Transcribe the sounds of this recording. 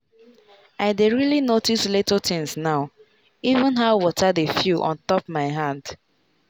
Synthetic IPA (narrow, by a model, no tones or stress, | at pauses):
aɪdeɹilinotislitətʰɪ̃ŋsnaʊ | ivə̃nɦaʊwɔtʰadefjuʔɔ̰̃ntɔp̚maɪɦãnd